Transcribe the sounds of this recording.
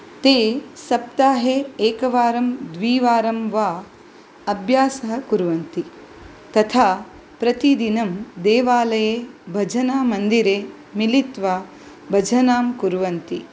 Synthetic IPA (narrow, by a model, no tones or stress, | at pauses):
t̪eːsɐp̚t̪aːɦeːeːkɐʋaːɾɐmd̪ʋiːʋaːɾɐmʋaː | ɐbʱjaːsɐɦɐ̆kuɾʋɐnt̪i | t̪ɐt̪ʰaː | pɾɐt̪id̪inɐmd̪eːʋaːlɐjeːbʱɐd͡ʒʱɐnaːmɐnd̪iɾeː | milit̪ʋaː | bʱɐd͡ʒʱɐnaːmkuɾʋɐnt̪i